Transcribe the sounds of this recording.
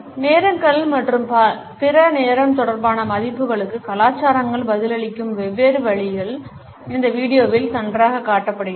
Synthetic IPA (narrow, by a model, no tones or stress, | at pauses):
neːɾɐmkɐɭmɐʈrɯmpa | pɪɾɐneːɾɐmt̪ɔɽɐɾbaːnɐmɐðɪpːɯɣɐɭɯkːɯkɐlaːt͡ʃːaːɾɐŋɡɐɭbɐðɪlɐɭɪkːɯmʋɛʋeːɾɯʋɐɭɪɣɐɭ | ɪnd̪ɐʋiːɽɪjoːʋɪlsɐndraːɣɐkːaːʈːɐpːɐɽɯ